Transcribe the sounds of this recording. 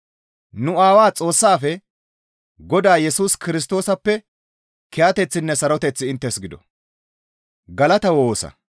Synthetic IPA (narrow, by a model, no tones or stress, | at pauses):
nʊaːwaːt͡sʼo̞ːsːaːfɛ | ɡɔd̪aːjɛsuːskɪɾɪs̬t̪o̞ːsɐpːɛ | kɛjaːt̪ɛt͡sːɪnːɛsɐɾɔt̪ɛt͡sːɪɪnt̪ːɛsɡɪd̪ɔ̰ | ɡɐlɐt̪ɐwoːsɐ̰